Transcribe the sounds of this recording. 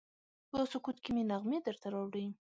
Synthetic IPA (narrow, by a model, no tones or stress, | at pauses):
d̪osʊkut̪kimenaɣmed̪əɾt̪aɾɑwɽi